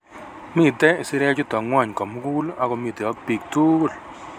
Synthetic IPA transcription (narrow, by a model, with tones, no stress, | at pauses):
mi˦˨tɛ˦ɪ˨sɪ˦ɾɛ˦t͡ʃʊ˦tɔ˨ŋwa˦˨ɲkɔ˨mu˦ku˦la˦kɔ˨mi˨tɛ˨ɔ˦pi˨k̚tu˦˨l